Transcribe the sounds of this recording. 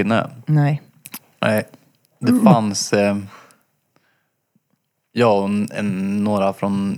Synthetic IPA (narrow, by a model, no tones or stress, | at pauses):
ɪnːə̰nɛɪ | nɛ̰ɪ | d̪ɛfans | jɑːɛ̰nːoːɾafɾɔn